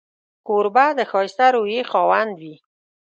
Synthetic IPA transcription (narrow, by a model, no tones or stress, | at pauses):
koɾbad̪əxɑɪst̪aɾojexɑwand̪wi